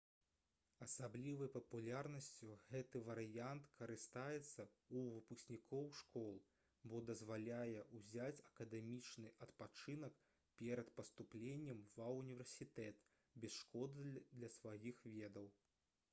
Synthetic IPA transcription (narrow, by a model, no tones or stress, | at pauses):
ɐsablʲivɨjpɐpulʲarnɐsʲt͡sʲuɣɛt̪ɨvɐɾɨjant̪kɐɾɨst̪ajɛt̪sːɐuvɨpusʲnʲikʰɔwʂkɔlˠ | bɔd̪ɐzvalʲajɛʔuzʲat͡sʲɐkɐd̪ɛmʲit͡ʂnɨʔɐt̪pat͡ʂɨnɐk | pʲɛɾɐt̪pɐst̪uplʲenʲːɛmvɐunʲivʲɛrsʲit̪ɛt̪ | bʲɛsʂkɔd̪ɨd̪lʲɐsvajixvʲɛd̪ɐw